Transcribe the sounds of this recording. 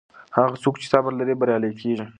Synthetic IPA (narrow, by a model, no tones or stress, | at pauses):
haɣat͡sokt͡ʃɪ̥sabəɾlaɾibaɾjɑləjkʰeʒi